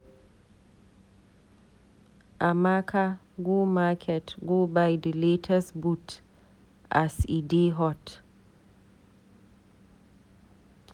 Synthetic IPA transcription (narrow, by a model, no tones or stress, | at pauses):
ʔamakʰa | ɡomakʰɛtɡobajdletʰasbut | ʔasidiɦɔt